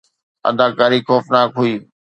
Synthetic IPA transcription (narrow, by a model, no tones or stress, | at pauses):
ə̰d̪aːkaːɾiːxoːfnaːkɦuiː